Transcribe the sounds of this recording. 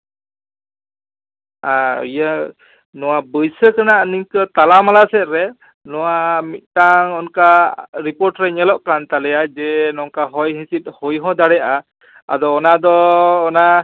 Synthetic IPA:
ajə | nɔwabəjsəkanaʔəniŋkət̪alamalasɛt̪̚ɾɛ | nɔwamit̪̚ˀʈaŋɔnkaɾipɔɾʈɾɛɲɛlɔʔkant̪alɛjad͡ʒɛnɔŋkaɦɔjɦĩsit̪̚ˀhɔjɦɔ̃d̪aɽɛa | a̰d̪ɔːnad̪ɔːna

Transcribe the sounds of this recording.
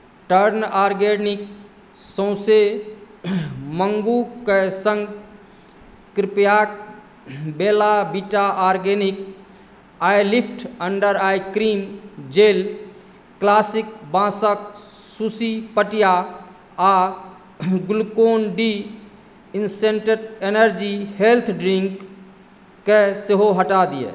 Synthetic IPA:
ʈəɾnaːɾɡenik̚ | sõːse | məŋɡukesə̃ŋɡ | kɾɪpjaːk̚ | beːlabiʈaʔaːɾɡenik | aːjlipʰʈəɳɖəɾaːjkɾiːmd͡ʒel | klaːsik̚bãːsək̚susipəʈija | a | ɡʊlkoːnɖi | inseɳʈeɖenəɾd͡ʒihelt̪ʰɖɾĩŋkː | eseɦoɦəʈad̪ijḛ

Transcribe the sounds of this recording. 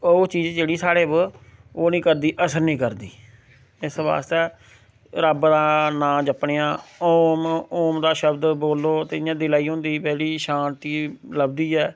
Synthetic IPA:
oːt͡ʃiːd͡ʒd͡ʒeːɽiːsaːɽeːboːnĩːkəɾd̪iːʔəsəɾnĩːkəɾd̪iː | ɪsʋa̰ːst̪ɛː | ɾəbd̪aːnãːd͡ʒəpɳeːãːoːmoːmd̪aːʃəbd̪boːlːoːt̪eːjãːd̪ɪlaːiːɦõnd̪iːbɛːliːʃãːnt̪iːləbd̪iːɛː

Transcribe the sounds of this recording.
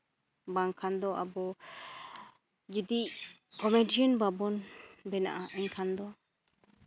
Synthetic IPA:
baŋkʰand̪ɔʔa̰bɔ | d͡ʒid̪iʔ | kɔmɛɖiɔnbabɔnbɛna̰ʔaʔɛɲkʰand̪ɔ

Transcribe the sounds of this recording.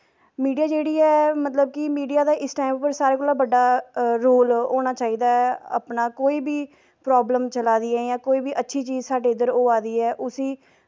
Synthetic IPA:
miːɖijaːd͡ʒeːɽiːɛːmət̪ləb̚kɪmiːɖijaːd̪aːʔɪsʈaːɪmpəɾsaːɾeːkoːlaːbəɖaːɾoːlɦoːñaːt͡ʃaːiːd̪aːɛa̰pnaːkoːiːbiː | pɾɔːbləmt͡ʃəlaːd̪iːɛːjãːkoːiːbiːʔətːʃʰiːt͡ʃiːzsaːɖeːɪd̪əɾoːaːd̪iːɛːʔʊsiː

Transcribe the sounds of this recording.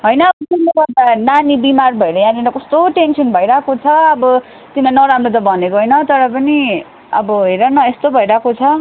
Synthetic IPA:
ɦʌjnʌːbʌt̪inːeɡʌrd̪ananibimarbʱʌeɾʌjãɾidakʌst̪oʈensʌnbʱʌjɾakot͡sʰʌʌbʌ | t̪inanʌɾamrot̪ʌbʱʌnekoɦʌjnʌt̪ʌɾʌpʌni | ʌbʌɦeɾʌnʌest̪obʱʌiɾakot͡sʰʌ

